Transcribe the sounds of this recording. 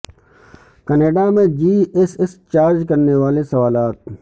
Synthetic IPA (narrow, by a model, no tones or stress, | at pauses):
kɐneːɖamẽd͡ʒiːɪsɪst͡ʃaːɾd͡ʒkɐɾneʋaːlesɐʋaːlaːt̪̚